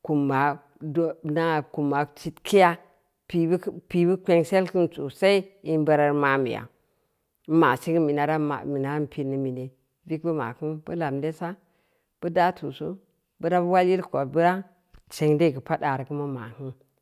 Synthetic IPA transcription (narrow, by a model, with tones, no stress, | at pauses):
ku˨mba˨ | dna˦˨ku˨mːa˨t͡ʃi˦tki˦ja˦ | pi˨˦pi˨bu˦kʷe˦ŋse˦lki˦nt͡su˨sa˦i˦i˦nbə˨ɾa˨ɾma˨mḭ˨ja̰˨˦ | ma˨si˦ŋɡə˦mi˨na˨˦ɾa˦a̰˨mi˨na˦ɾpʰi˨ni˨mi˨ne˨ | bi˦k̚bə˦ma̰˨ku˦nbə˦la˨mde˦sa˦ | b̥ə˦da˦tʰu˨su˦ | bə˦ɾa˦bə˦wa˦lji˦lko˨bə˦ɾa˦ | t͡ʃe˨ŋde˦˨ɡə˨pa˦da˨ɾə˨ku˦ma˦ma̰˨hɨ˦n